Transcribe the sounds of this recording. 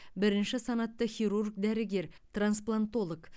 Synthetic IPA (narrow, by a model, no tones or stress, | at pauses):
bɪɾɪnʃɪsɑnɑt̪ːəχʲiɾurk̚d̪æɾɪɡʲe̞ɾt̪ransplˠant̪o̞lˠok